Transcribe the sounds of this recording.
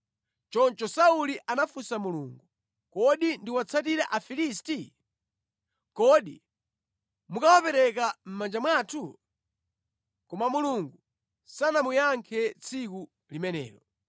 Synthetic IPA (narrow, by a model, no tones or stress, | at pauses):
t͡ʃɔnt͡ʃɔsauliʔanafusamuluːŋɡu | kɔɗindiwat͡sʰatiɾaʔafilis̬ti | kɔɗi | mukawapɛɾɛkam̩mand͡ʒamwaːtʰu | kɔmamuluŋɡu | sanamujaŋkʰɛt͡sʰiku | limɛnɛ̰ːɾɔ